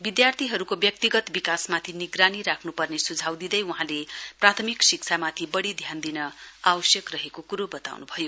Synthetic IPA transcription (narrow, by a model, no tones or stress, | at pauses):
bid̪jart̪ʰiɦʌɾukobjʌk̚t̪iɡʌt̪bikasmat̪ʰiniɡraniɾakʰnupʌrnesud͡zʱawd̪id̪ʌjwuɦãleprat̪ʰʌmiksikt͡sʰamat̪ʰibʌɽid̪ʱjand̪inʌawʌsjʌkrʌɦekokuɾobʌt̪a̰wnubʱʌjo